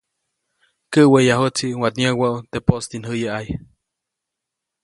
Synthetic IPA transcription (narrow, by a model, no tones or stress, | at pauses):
kəʔwejaɦot͡siʔwat̪ɲəwaut̪epost̪inɦɨjaʔaj